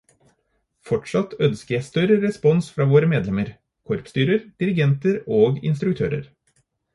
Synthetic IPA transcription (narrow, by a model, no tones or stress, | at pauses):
fɔʈʂɑt̪œnskəjæst̪œɾəɾɛspɔnsfɾɑːʋoːɾəmeːd̪lɛməɾ | kʰɔɾpst̪yːɾəɾd̪̥ɪɾɪɡɛnt̪əɾoːɡɪ̰nst̪ɾʉk̚t̪ʰø̰ːɾə̰ɾ